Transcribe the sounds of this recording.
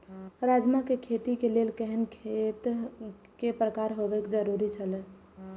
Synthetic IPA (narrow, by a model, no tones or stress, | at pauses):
ɾad͡ʒmakekʰet̪ikelelkəɦənkʰet̪ | kepɾəkaɾɦobɛkd͡ʒəɾuɾit͡ʃʰəlɛ